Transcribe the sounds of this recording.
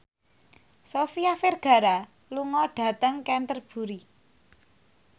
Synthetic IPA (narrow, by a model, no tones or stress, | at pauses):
sofiaferɡ̥ä̤ɾa | luŋɔɖ̥a̤t̪əŋkɛnt̪ərb̥ṳɾi